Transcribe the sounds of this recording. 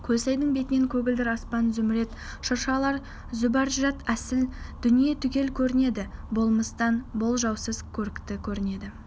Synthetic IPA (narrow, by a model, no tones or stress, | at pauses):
kʲʰɵlsæjd̪əɴbe̞t̪ɪne̞ŋkʲʰɵɡʲɪld̪ɪɾɑspɑnzʏmɪɾe̞t̪ | ʃʊɾʃɑlˠɑɾ | zʊbɑɾʒʒɑt̪æsɪld̪̥ʏnijet̪ʰʏkʲe̞lkʲʰɵɾɪne̞d̪ɪbo̞lˠməst̪ɑnbo̞lˠʒɑwsəzkʲʰɵɾɪkt̪ɪkʲʰɵɾɪne̞d̪ɪ